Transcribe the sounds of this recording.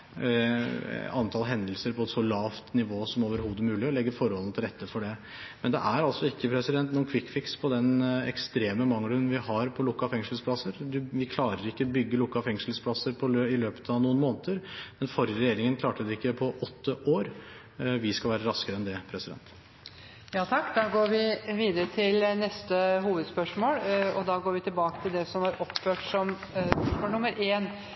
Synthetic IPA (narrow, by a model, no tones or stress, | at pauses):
ɑnt̪ʰɑːlɦɛnd̪əlsəɾpʰɔɛt̪sɔlɑːʋt̪nɪʋoːsɔmoːʋəɾhuːd̪əmʉːlɪɔlɛɡːəfɔɾhɔlnt̪ʰɪlɾɛt̪ːəfɔɖɛ | mɛnd̪ɛ̰ʔæɾɑlt̪sɔɪkːəpʰɾɛsɪd̪ɛnt̪nuːnkʰʋɪkːfɪkspʰɔd̪ɛnɛ̰kst̪ɾeːməmɑŋːɾʉnʋɪhɑɾpʰɔlʊkːɑfɛŋsəl̩spʰlɑsːəɾd̪ʉʋɪkʰlɑːɾəɾɪkːəbʏɡːəlʊkːɑfɛŋʂəl̩spʰlɑsːəɾpʰɔløɪløːpə̥t̪ʰɑʋnuːənmoːnət̪əɾmɛnfɔɾjəɾɛjeːɾɪŋənkʰlɑːʈəd̪ɛɪkːəpʰɔʔɔt̪ːəʔoːɾ | ʋɪskɑlʋæːɾəɾɑskəɾəɛnd̪ɛpʰɾɛsɪd̪ɛ̰nt̪ | jɑːt̪ʰɑkːd̪ɑɡoːɾʋɪʋiːd̪əɾət̪ʰɪlnɛst̪əɦuːʋəd̪spœʂmoːlɔd̪ɑːɡoːɾʋɪt̪ɪlbɑːkə̥t̪ʰɪld̪ɛsɔmʋɑɾʔɔpføːʈsɔmpœʂmoːlnʊməɾʔeːn